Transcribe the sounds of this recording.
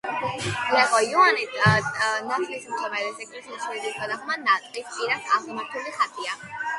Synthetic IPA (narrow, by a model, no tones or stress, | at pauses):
lɛχɔiɔani | nat̪ʰlismt̪ʰɔmɛɾɛsɛkʼʰɾisʰliʃɛid̪iskʰad̪aχmanat̪ʼist͡ʃʼiɾasaχlˠmaɾt̪ʰuliχat̪ʰʼia